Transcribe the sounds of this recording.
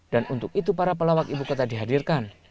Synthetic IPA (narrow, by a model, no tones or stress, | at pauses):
danunt̪ʊk̚it̪upaɾapəlawakibukot̪adiɦadirkan